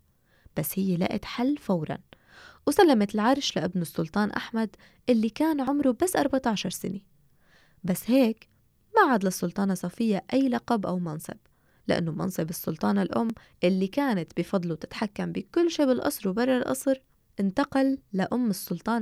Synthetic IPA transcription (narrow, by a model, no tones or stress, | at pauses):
b̥asːhɪjːela̰ːʔɪt̪ħalːfawɾˤɑ̰n | wsalːamat̪ɪlʕɑɾˤʃlaʔɪbnʊsˤːʊlt̪ˤɑːnʔa̰ħmad̪ | ʔɪlːikaːnʕʊmɾubasːʔɑɾˤbat̪ɑʕʃɑɾˤsɪ̰ne | basːheːk | maʕad̪lɑsˤːʊlt̪ˤɑːnɑsˤɑfɪjːaʔajːlɑqɑbʔawmɑnsˤɨ̰b̥ | lɪ̰ʔa̰nːomɑ̰nsˤɨbɨsˤːʊlt̪ˤɑːnalʔʊmː | ʔɪlːikaːnat̪bifɑd̪ˤluwt̪ɪ̥t̪ħakːambikʊlːʃiːbɪlʔɑ̰sˤɾwbɑrˤːɑlʔɑ̰sˤɾ | ʔɪnt̪ɑqɑlːaʔʊmːɨsˤːʊlt̪ˤɑːn